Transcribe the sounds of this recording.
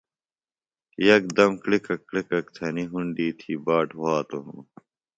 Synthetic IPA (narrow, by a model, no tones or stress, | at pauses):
jɐk̚d̪ɐmklikɐkːlikɐk̚t̪ʰɐniɦuɳɖiːt̪ʰiːbaːʈwaːt̪oɦṵ̃